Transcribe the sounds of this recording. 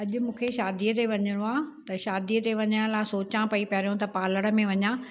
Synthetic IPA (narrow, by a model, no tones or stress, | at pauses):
ɐʄʊ̆mũːkʰeʃaːd̪iət̪eʋɐɲəɽ̃õaːt̪ɐʃaːd̪iət̪eʋɐɲəɽ̃laːɪsoːt͡ɕãpɐipɐɾijõt̪ɐpaːləɽ̃ə̆mẽʋɐɲãː